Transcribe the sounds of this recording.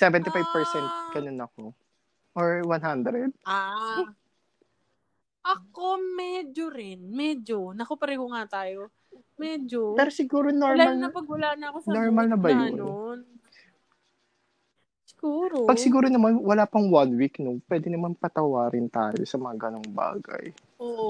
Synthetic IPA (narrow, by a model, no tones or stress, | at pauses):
sɛvɛnt̪ɪfajvpɛɹsɛnt̪̚ɡ̥ɐnonɐko̞ | ʔoɹwanɦand̪ɾɛd̪̚a | ʔɐkomɛd͡ʒoɾɪnmɛd͡ʒonɐkopɐɾɛːhoŋat̪aːjo | mɛd͡ʒopɛːɾosɪɡuːɾonoɹmlaɐlɐpɐɡ̚wɐlaːnɐɐkosnoɹmɐlnɐbɐjonon | sɪ̥ɡ̥uːɾopɐɡ̚sɪɡuːɾonɐmanwɐlaːpɐŋwanwiknʊŋpwɛːd̪ɪnɐmanpɐt̪ɐwaːɾɪnt̪aːjo̰sɐmɐŋaɡɐnoŋba̰ːɡɐ̰j | oʔ